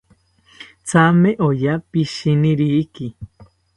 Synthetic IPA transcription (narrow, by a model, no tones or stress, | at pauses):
t͡sameʔojapiʃiniɾiki